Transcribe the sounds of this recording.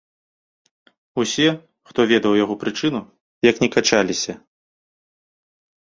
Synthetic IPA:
usʲɛ | xt̪ɔvʲɛd̪ɐwjaɣɔpɾɨt͡ʂɨnu | jɐknʲɛkat͡ʂalʲisʲɐ

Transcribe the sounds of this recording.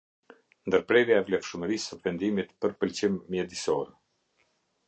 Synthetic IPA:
nd̪əɾpɾɛɾjaɛvlɛfʃəməɾisəvɛnd̪imit̪pəɾpəlt͡ɕimːjɛd̪isɔɾ

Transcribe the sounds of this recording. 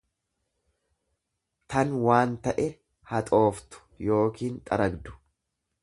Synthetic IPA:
t̪ɐnwaːnt̪ɐʔɛ | hɐt̪ʼo̞ːft̪ʊ̥jo̞ːkiːnt̪ʼɐɾɐɡd̪ʊ̥

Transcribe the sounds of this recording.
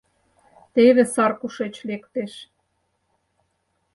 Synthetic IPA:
t̪eðĕsɑrkuʃet͡ɕlekt̪eʃ

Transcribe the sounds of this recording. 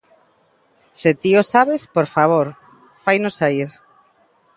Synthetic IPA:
set̪iosaβespoɾfaβ̞oɾ | fajnʊsaiɾ

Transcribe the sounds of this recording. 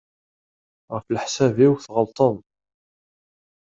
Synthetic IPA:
ʁəflħsæviwθʁəlt̪ˤəðˤ

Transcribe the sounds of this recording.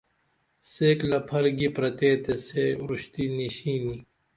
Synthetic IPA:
seːklɐpʰɐɾɡipɾɐt̪eːt̪eseːɾuɕt̪iniɕiːni

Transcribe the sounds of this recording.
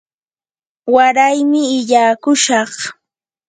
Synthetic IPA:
waɾajmɪɪʎaːkʊʃɑχ

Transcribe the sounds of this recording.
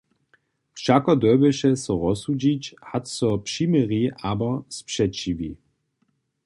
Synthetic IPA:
fʃakɔd̪ɔbɛʃɛsɔʁɔsud͡ʑit͡ɕhat̪sɔpʂimɛʁiʔabɔspʂɛt͡ɕivḭ

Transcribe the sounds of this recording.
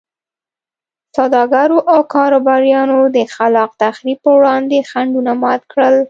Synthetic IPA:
sad̪ɑɡaɾoʔawkɑɾobɑɾjɑnod̪əxalɑq̚t̪axɾib̚pəwɽɑnd̪exaɳɖunamɑt̪kɽəl

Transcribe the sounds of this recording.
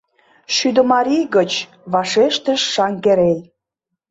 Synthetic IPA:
ʃyd̪ə̆mɑɾijɣət͡ɕ | βɑʃeʃt̪ə̆ʃːɑŋɡeɾelʲ

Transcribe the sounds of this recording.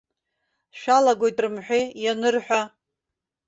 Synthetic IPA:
ʃᶣalaɡʷo̞jtʼrɨmħʷᶣejanɨrħʷᶣa

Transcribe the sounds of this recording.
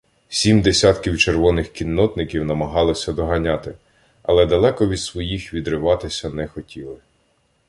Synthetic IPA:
sʲimd̪esʲat̪kʲiwt͡ʃerʋɔnɪxkʲinːɔt̪nɪkʲiwnɐmɐɦɑlˠɪsʲɐd̪ɔɦɐnʲɑt̪ɪ | ɐ̰lˠɛd̪ɐlˠɛkɔʋʲid̪sʋɔjixʋʲid̪ɾɪʋɑt̪ɪsʲɐnɛxɔtʲilˠɪ

